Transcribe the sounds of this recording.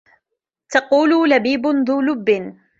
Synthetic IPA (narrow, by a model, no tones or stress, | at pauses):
t̪ɑquːlʊlabiːbʊnðˤuːlʊbːɪn